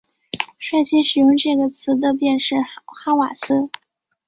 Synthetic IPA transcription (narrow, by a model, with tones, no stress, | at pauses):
ʂwa˥˩ɪɕjɛ˥ʂɻ̩˨˩jʊ˥˧ŋʈ͡ʂɤ˥˩ɡə˩t͡sʰɹ̩˧˥d̪ə˧p̬jɛ˥˧nʂɻ̩˥˩xa˥wa˨˩sʰɹ̩˥